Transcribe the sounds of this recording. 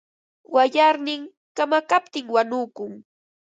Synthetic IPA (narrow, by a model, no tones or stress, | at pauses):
waʎaɾnɪŋ | kamakapt̪ɪŋwanʊkʊŋ